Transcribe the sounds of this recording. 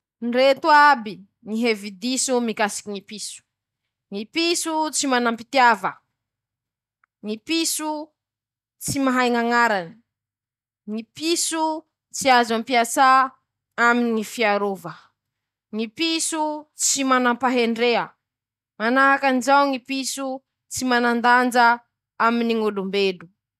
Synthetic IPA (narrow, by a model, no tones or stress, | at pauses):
nret̪uabi | ŋiɦevid̪isumikasi̥kʲinipisu̥ | ŋipisut͡simanampit̪iavə | ŋipisu | t͡simaɦajŋaŋaɾani̥ | ŋipisu | t͡siazampiasa | aminŋifiaɾovə | ŋipisut͡simanampaɦeɳɖ͡ʐeə | manaɦakanizawŋipisu | t͡simanand̪and͡ʒa | aminiŋolumbelu